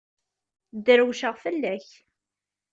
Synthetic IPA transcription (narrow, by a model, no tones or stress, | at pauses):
d̪əɾwʃəʁfəlːæç